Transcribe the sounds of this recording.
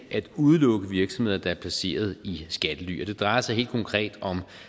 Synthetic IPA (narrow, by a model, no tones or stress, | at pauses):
ʔæd̥uð̞ˠlɔ̽ɡ̥əʋiɐɡ̥sɒmhe̝ð̰ˠɐd̥ɑ̈æɐpʰlæse̝̰ːɐð̞̩ˠisɡ̥æd̥əly̰ːʔɒd̥e̝d̥ʁɑ̈ɪɐsɑ̈ɪɦe̝̰ld̥̚kʰɒ̽ŋkʰʁɛ̰ːd̥ɒ̽m